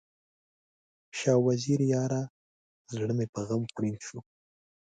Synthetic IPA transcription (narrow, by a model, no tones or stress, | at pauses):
ʃɑwaziɾjɑɾa | zɽəmepəɣamxɽinʃu